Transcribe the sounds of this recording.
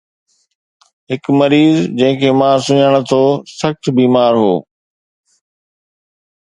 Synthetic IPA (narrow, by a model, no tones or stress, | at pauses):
ɦɪkmɐɾiːzd͡ʑɐ̃ɦɪ̃kʰeːmãːsʊɲəɽ̃ʊt̪ʰoːsɐxt̪biːmaːɾɦo̰ː